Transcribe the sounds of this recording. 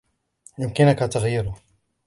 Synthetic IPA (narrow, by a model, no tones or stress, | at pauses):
jʊmkɪnʊkat̪aɣjɪɾʊ